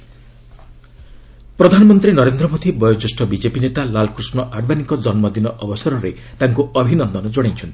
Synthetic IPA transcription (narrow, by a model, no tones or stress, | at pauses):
pɾɔd̪ʱanɔmɔnt̪ɾinɔɾend̪ɾɔmod̪ʱibɔjɔt͡ʃusʈɔbid͡ʒepinet̪alalkɾusnɔʔaɾbanikɔd͡ʒɔnmɔd̪inɔʔɔbɔsaɾɔɾe | t̪aŋkuɔbʱinɔnd̪ɔnɔd͡ʒoɽ̃et͡ʃʰɔnt̪ʰi̥